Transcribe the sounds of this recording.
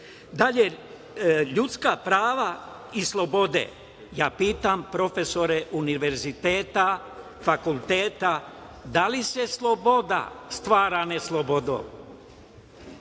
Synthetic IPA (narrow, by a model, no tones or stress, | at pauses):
d̪aʎe | ʎut̪skapɾaːʋa | islˠo̞bo̞d̪ḛ | jaːpiːt̪ampɾo̞feso̞ɾeʔuniʋe̞ɾzit̪eːt̪a | fakulˠt̪eːt̪a | d̪alise̞slˠobo̞d̪a̰st̪ʋaːɾaneslˠobod̪o̰